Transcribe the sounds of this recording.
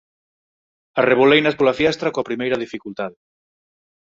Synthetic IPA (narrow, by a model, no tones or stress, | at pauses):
ɐreβ̞olejnɐspolafiɛst̪ɾakoɐpɾimejɾɐðifikult̪aðe